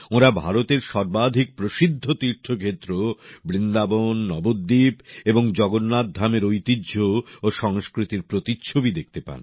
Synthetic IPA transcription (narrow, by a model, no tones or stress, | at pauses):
oɾabʱaɾot̪eɾʃɔɾbad̪ʱik̚pɾoʃid̪ʱːot̪iɾʈʰːokʰet̪ːɾobɾind̪abonːɔbod̪ːipeboŋd͡ʑɔɡonːad̪ʱːameɾojt̪idːd͡ʑʱooʃɔŋskɾit̪iɾpɾot̪itːɕʰobid̪ek̚ʰt̪epa̰n